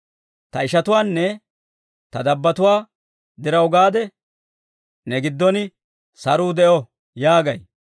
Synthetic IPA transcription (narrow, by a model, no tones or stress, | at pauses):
t̪ɐɪʃɐt̪ʊwaːnːɛ | t̪ɐd̪ɐbːɐt̪ʊwaː | d̪ɪɾɐwɡaːd̪ɛ | nɛɡɪd̪ːɔnɪ | sɐɾuːd̪ɛʔɔ | jaːɡɐj